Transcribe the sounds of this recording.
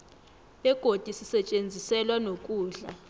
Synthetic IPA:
ɓɛɡ̥ʱod̥ʱisisɛt͡ʃʼend͡zʱisɛlwanokʼuːɮa

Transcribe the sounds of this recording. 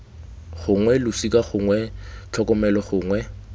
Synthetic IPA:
χʊŋwɛlʊsikaχʊŋwɛt͡ɬʰɔkɔmɛlɔχʊːŋwɛ

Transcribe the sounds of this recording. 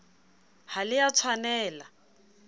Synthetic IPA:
halɪjat͡sʰwanɛːla

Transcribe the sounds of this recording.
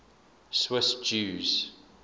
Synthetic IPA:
swɪsd͡ʒuːz̥

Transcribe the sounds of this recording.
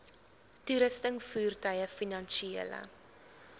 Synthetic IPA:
tuɾəstəŋfuːrtœjəfinɐnʃiilə̰

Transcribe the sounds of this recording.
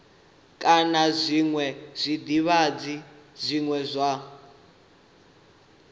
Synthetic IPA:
kʼanazʷiŋwɛz̥ʷid̪iβad͡zizʷiŋwɛzʷa

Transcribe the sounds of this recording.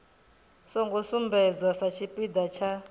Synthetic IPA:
sɔŋɡɔsumbɛd͡zwasat͡ʃʰipʼid̪at͡ʃʰa

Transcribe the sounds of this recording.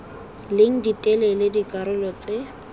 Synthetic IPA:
leŋ̩ditʼɛlɛledikʼaɾʊlɔt͡se

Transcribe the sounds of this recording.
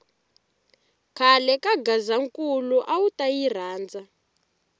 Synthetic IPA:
kʰalɛkaɡazaŋkuluʔawutajir̤aːnd͡za

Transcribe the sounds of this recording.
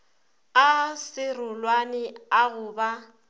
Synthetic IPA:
asɪrʊlwanɪaɣʊːba

